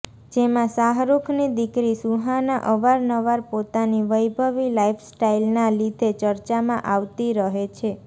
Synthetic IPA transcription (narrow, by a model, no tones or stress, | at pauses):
d͡ʒemãsaɦɾukʰnid̪ikɾisuɦanaʔəʋaɾnəʋaɾpot̪aniʋəjbʱəʋilaifsʈailnalid̪ʱet͡ʃəɾt͡ʃamãʔaʋt̪iɾəɦet͡ʃʰe